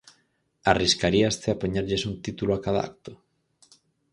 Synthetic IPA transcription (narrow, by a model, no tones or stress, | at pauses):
ariskaɾiast̪ɪapoɲaɾʎɪsunt̪it̪uloakaða̰a̰k̚t̪ʊ̥